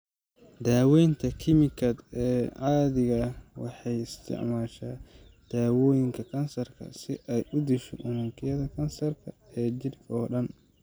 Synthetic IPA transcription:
d̪aːwɛjnt̪ʰɐkʰɪmɪkʰɐd̪ɛːʕɑːðɪɣɐwɑ̰ħɑjɪst̪ʰɪ̰ʕmaːʃaː | d̪̥aːwɔːjɪŋkʰɐkʰɐnsɐrkʰɐ̰sɪʔɛjʔʊd̪ɪʃɔʔʊnɐŋkʰɪjɐðɐkʰɐnsɐrkʰɐ | ɛːt͡ʃɪrkʰɐɔːɗɐn

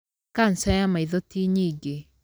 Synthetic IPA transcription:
kansɛjamaiðotiɲiɡe

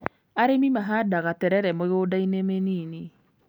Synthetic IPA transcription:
aɾemimaɦadaɣatɛɾɛɾɛmoɣoːdainemeniːne

